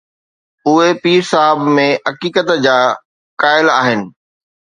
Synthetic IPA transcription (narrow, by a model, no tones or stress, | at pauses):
ʊɦepiːɾsaɦəbmẽɦɐkiːkət̪d͡ʑaː | kaːɪla̰ːɦɪnɪ̆